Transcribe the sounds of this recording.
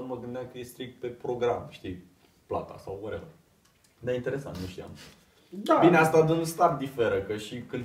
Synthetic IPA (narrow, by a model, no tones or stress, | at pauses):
əməɡɨnd̪eakəje̞st̪ɾik̚t̪̚pe̞pɾo̞ɡɾamʃt̪ij | pla̰t̪a̰sawaɾela | d̪ajint̪e̞ɾe̞sa̰nt̪nuʃt̪ia̰m | d̪abineast̪ad̪uunst̪at̪̚d̪ife̞ɾəkəʃikɨnd̪